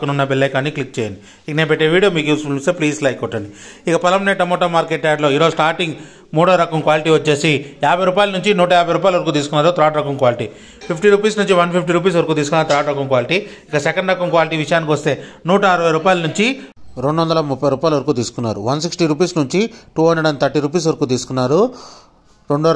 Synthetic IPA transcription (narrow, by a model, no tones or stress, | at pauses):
kɐnunːɐbɛlːɐjkaːniklik̚t͡ʃɛːjɐɳɖi | ikɐnepeʈːeːʋiːɽijoːmiːkjuːspulist̪epliːslɐjkɔʈːɐɳɖi | ikɐpɐlɐmneʈːɐmoːʈɐmaːɾkeʈ̚t͡ʃɛjaɖlo̞ːiːɾo̞ːusʈaːɾʈiŋɡ | muːɽɐɾɐkɐmkʋaːliʈiːʋɐt͡ʃːe̞ːsijaːbʱɐjɾuːpaːjlɐnuɲt͡ʃinuːʈɐjaːbʱɐjɾuːp̬aːjlɐʋɐɾkuːt̪̬iːsukunːaːɾoːt̪ɾaːʈɾɐkɐmkʋaːliʈḭː | pʰip̚ʰʈiɾuːpiːsnuɲt͡ʃiʋɐnpʰip̚ʰʈiɾuːp̬iːs̬ʋɐɾɐkuːt̪̬iːs̬u̥kunːaːɾt̪ɾaːʈɾɐkɐmkʋaːliʈi | ikɐsɛkɐɳɖɾɐkɐmkʋaːliʈiːʋiʂɐjaːnikiʋɐst̪e̞ːnuːʈɐɐɾɐʋɐjɾuːpaːjlɐnuɲt͡ʃiɾeɳɖuʋɐnd̪ɐlɐmupːɐjɾuːpaːjlɐʋɐɾkuːt̪̬iːsu̥kunːa̰ːɾṵʋɐnsiksʈiɾuːpiːsnuɲt͡ʃiʈuːɦɐɳɖɐɽɐnt̪ʰɐɾʈiɾuːp̬iːs̬ʋɐɾɐkuːt̪iːsu̥kunːaːɾu | ɾeɳɖu